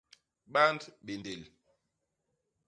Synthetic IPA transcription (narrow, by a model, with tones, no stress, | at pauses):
ɓa˦ndɓe˨nde˨l